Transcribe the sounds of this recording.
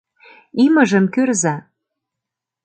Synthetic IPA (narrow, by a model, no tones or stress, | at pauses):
imə̆ʒə̆mkørzɑ